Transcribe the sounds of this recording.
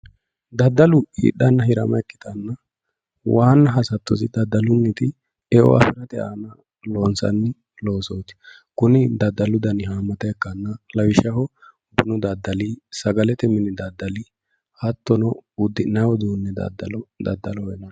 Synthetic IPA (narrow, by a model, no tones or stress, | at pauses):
d̪ɐd̪ːɐlʊhḭːɗɐnːɐhɪɾɐ̰mɐ̰ɛkːɪ̥t̪ɐnːɐ | waːnːɐɦɐsɐt̪ːɔsɪd̪ɐd̪ːɐlʊnːɪt̪ɪ | ɛʔɔ̰ʔɐ̰fɪɾɐt̪ɛʔa̰ːnɐ | loːnsɐ̰nːɪ | loːsoːt̪ɪ̥ | kʊnɪd̪ɐd̪ːɐlʊd̪ɐnɪhaːmːɐt̪ɐɛkːɐnːɐlɐwɪʃɐhɔ | bʊnʊd̪ɐd̪ːɐlisɐɡɐlɛt̪ɛmɪnɪd̪ɐd̪ːɐli | hɐt̪ːɔnɔʊd̪ːɪnːɐwɔd̪uːnːɛd̪ɐ̰d̪ːɐ̰lɔd̪ɐ̰d̪ːɐlɔwɛnɐ